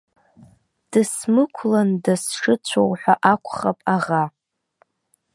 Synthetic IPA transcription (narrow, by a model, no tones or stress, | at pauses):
d̥ɨsmɨkʷʰlandasʂɨt͡ɕʷʰowħʷᶣaʔakʷʰʼχapʼaʁa